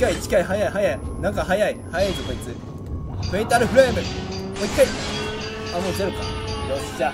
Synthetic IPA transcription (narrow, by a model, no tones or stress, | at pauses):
kait͡ɕi̥kaiɦajaiɦajainãŋkaɦajaihajait̪okoit͡sɨ | ɸeit̪aɾɯ̟ɸɯɾamemoikːai | amoɕeɾɯ̟ka̰dosd͡ʑa